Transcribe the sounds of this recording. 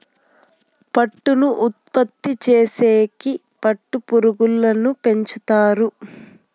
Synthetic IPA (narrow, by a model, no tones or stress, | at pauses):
pɐʈːunuʔut̪̚pɐt̪ːit͡ʃeːseːki | pɐʈːupuɾuɡulːɐnupe̞ɲt͡ʃut̪aːɾu